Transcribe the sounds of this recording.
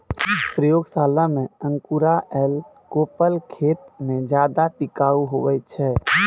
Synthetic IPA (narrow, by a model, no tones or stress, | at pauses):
pɾəjoːɡsaːlamẽəŋkuɾaʔɛːlkoːpəlkʰeːt̪̚mẽd͡ʒjaːd̪aʈɪkauɦoʋɛt̪t͡ʃʰɛː